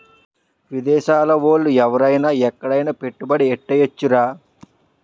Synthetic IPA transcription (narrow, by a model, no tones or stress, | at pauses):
ʋid̪ɛːʃaːlɐʋoːlːuɛʋɐɾɐjnaːɛkːɐɽɐjnɐpe̞ʈːubɐɽiɛʈːɐjɐt͡ʃːuɾaː